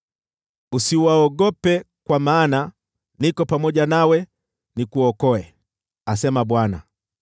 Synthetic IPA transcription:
usiwaɔɡɔpɛ | kwamaːna | nikɔpamɔʄanawɛ | nikuɔkɔɛ | asɛmaɓwana̰

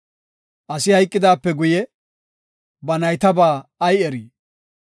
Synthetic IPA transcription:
ʔɐsɪhɐjkʼːɪd̪aːpːɛɡʊjɛ | bɐnɐjt̪ɐbaːɐjɛɾiː

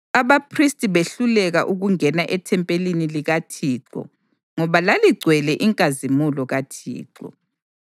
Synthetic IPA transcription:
aβapʰristʼiβeɬulɛɣaʔuɣuŋɛnaʔɛtʰɛmpʼeliniliɣatʰiːǀɔ̰ | ŋɔβalaliɡ͡ǀʱwɛlɛʔiŋkʼazimulɔɣatʰḭːǀɔ̰

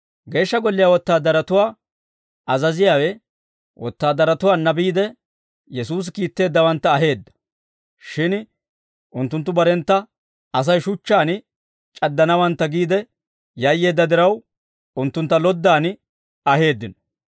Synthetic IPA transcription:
ɡe̞ːʃːɐɡɔlːɪjaːwɔt̪ːaːd̪ɐɾɐt̪ʊwaː | ɐzɐzɪjaːwɛ | wʔɔ̰t̪ːaːd̪ɐɾɐt̪ʊwaːnːɐbiːd̪ɛ | jɛsuːs̬ɪkiːt̪ːe̞ːd̪ːɐwɐnt̪ːɐːɦe̞ːd̪ːɐ̥ | ʃɪn | ʊnt̪ːʊnt̪ːʊbɐɾɛnt̪ːɐ | ɐs̬ɐjʃʊt͡ʃːaːn | t͡ʃʼɐd̪ːɐnɐwɐnt̪ːɐɡiːd̪ɛ | jɐjːe̞ːd̪ːɐd̪ɪɾɐw | ʊnt̪ːʊnt̪ːɐlɔd̪ːaːn | ɐɦe̞ːd̪ːɪnɔ̥

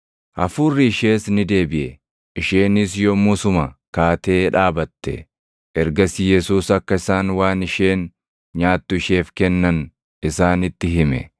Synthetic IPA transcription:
ʔɐfuːrːɪɪʃe̞ːsnɪd̪e̞ːbɪʔɛ | ʔɪʃe̞ːnɪsjɔmʊsʊmɐkaːt̪e̞ːᶑaːbɐt̪ːɛ̰ | ʔɛɾɡɐsɪjɛsuːsɐkːɐɪsaːnwaːnɪʃe̞ːn | ɲaːt̪ːʊɪʃe̞ːfkɛnːɐn | ɪsaːnɪt̪ːɪɦɪmɛ̰

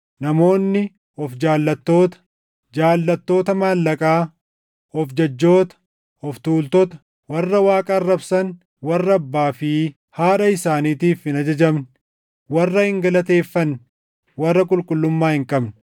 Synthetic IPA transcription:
nɐmo̞ːnːɪ | ɔfd͡ʒaːlːɐt̪ːo̞ːt̪ɐ̥ | d͡ʒaːlːɐt̪ːo̞ːt̪ɐmaːlːɐkʼaː | ɔfd͡ʒɐd͡ʒːo̞ːt̪ɐ̥ | ɔft̪uːlt̪ɔt̪ɐ̥ | wɐrːɐwaːkʼɐrːɐbsɐn | wɐrːɐːbːaːfɪ | haːᶑɐɪsaːniːt̪iːfɪnɐd͡ʒɐd͡ʒɐbn | wɐrːɐhɪŋɡɐlɐt̪e̞ːfːɐnɪ | wɐrːɐkʼʊlkʼʊlːʊmːaːhɪŋkʼɐbnɪ

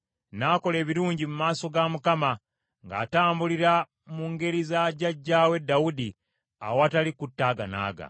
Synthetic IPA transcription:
naːko̞le̞ːβiɾuːɲɟimumaːso̞ɡamukama | ŋɡa̰ːtaːmbuliɾa | muŋɡe̞ɾizaɟaɟːaːwe̞dːawudi | a̰watalikutːaːɡa̰na̰ːɡa̰

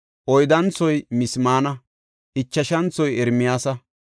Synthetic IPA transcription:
ʔɔjd̪ɐnt͡sɔjmɪsmaːnɐ | ʔɪt͡ʃːɐʃɐnt͡sɔjɛɾmɪjaːsɐ

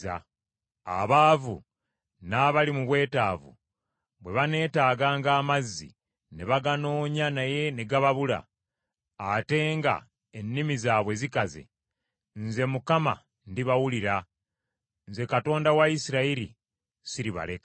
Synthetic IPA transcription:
a̰ | a̰βaːvṵ | naβalimuβwe̞ːtaːvṵ | βwe̞βane̞ːtaːɡaːŋɡaːmazːḭ | ne̞βaɡano̞ːɲanaje̞ne̞ɡaβaβula̰ː | te̞ːŋɡa̰ | enːimizaːβwe̞zikaze̞̰ | nze̞mukama̰ | ndiβawuliɾa | nze̞kato̞ːndawaisiɾaiɾḭ | siɾiβa̰lek

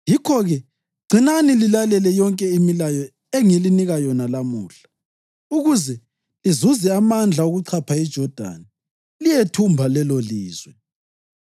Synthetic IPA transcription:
jikʰɔɣɛ | ɡ͡ǀʱinanililalɛlɛjɔŋkʼɛimilajɔ | eŋiliniɣajɔnalamuːɬḁ | uɣuzɛ | lizuzɛamand͡ɮʱaoɣuǀʰapʰaid̥ʒ̥ʱɔd̥ʱa̰ni | lijetʰumbʱalɛloliːzwɛ

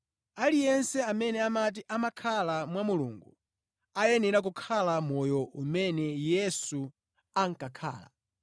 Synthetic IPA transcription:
alijɛnsɛamɛnɛamat̬iʔamakʰalamwamulṵŋɡu | ajɛnɛɾak̬ukʰalamɔjɔʔumɛnɛjɛsu | aŋ̩kakʰa̰ːla̰

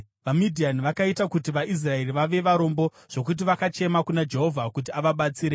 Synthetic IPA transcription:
ʋamidʱianiʋakaitakutiʋaʔis̬rae̞riʋaʋe̞ʋaɾo̞mbo̞ | ʐ̥o̞k̬ut̬iʋakat͡ʃe̞makunad͡ʒe̞ɦo̞vʱakut̬iaʋaɓat͡siːɾe

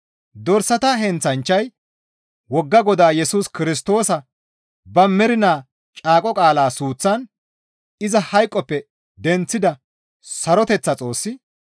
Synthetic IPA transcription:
d̪ɔɾsɐt̪ɐɦɛnt͡sɐnt͡ʃːɐj | wɔɡːɐɡɔd̪aːjɛsuːskɪɾɪs̬t̪o̞ːsɐ | bɐmːɛɾɪnaː | t͡ʃʼaːkʼɔkʼaːlaːsuːt͡sːɐn | ɪzɐhɐjkʼːɔpːɛ | d̪ɛnt͡sːɪd̪ɐ | sɐɾɔt̪ɛt͡sːɐt͡sʼo̞ːsːɪ

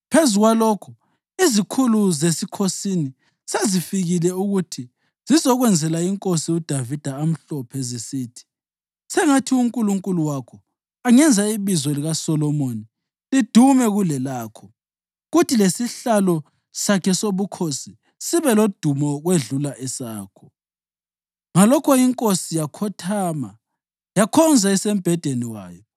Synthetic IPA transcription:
pʰezuɣwaloːkʰu | izikʰuluzesikʰosini | sezifiɣilɛuɣutʰi | zizɔɣwɛnd͡zʱɛlaiŋkʼosiud̥ʱavid̥ʱaam̩ɬɔpʰɛzisiːtʰi̥ | sɛŋatʰiuŋkʼuluŋkʼuluwakʰɔ | aŋɛnd͡zʱaiβizɔliɣasɔlɔmoni | lid̥ʱumɛɣulɛlaːkʰɔ | ɣutʰilesiɬalɔ | sakʰɛsoβukʰosi | siβɛlod̥ʱumɔɣweɮulaʔɛsaːkʰɔ̥ | ŋalɔkʰɔiŋkʼosijakʰɔtʰaːma | jakʰɔnd͡zʱaisem̩b̥ʱɛd̥ʱeniwa̰ːjɔ

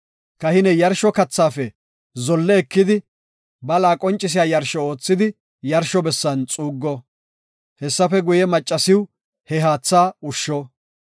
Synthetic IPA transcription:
kɐhɪnɛjɐɾʃɔkɐt͡sːaːfɛ | zɔlːɛːkːɪd̪ɪ | bɐlaːkʼɔnt͡ʃʼːɪs̬ɪjaːjɐɾʃɔo̞ːt͡sːɪd̪ɪ | jɐɾʃɔbɛsːɐnt͡sʼuːɡːɔ | hɛsːɐfɛɡʊjɛmɐt͡ʃʼːɐsɪw | hɛɦaːt͡sːaːʊʃːɔ

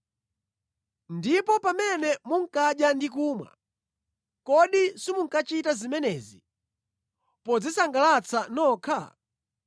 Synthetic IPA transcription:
ndipɔpamɛnɛmuŋ̩kaɗjandikuːmwa̰ | kɔɗisimuŋ̩kat͡ʃitazimɛnɛzi | pɔd͡zisaŋɡalat͡sʰanɔːkʰa̰

